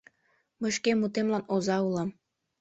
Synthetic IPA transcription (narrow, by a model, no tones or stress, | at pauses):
məʃkemut̪emlɑnozɑulɑm